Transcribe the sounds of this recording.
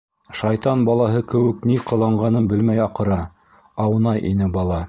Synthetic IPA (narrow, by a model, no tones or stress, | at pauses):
ʃɑjt̪ɑnbɑlˠɑɦɤkɘ̆wɘ̆kniqɤ̆lˠɑɴɢɑnɤnbɘlmæjɑqɤ̆ɾɑ | ɑwɤnɑjʔḭnɘbɑlˠɑ